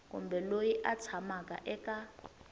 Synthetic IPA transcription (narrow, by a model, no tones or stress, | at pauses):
kṵmbɛlojiʔat͡sʰamakʼa̰ʔɛkʼa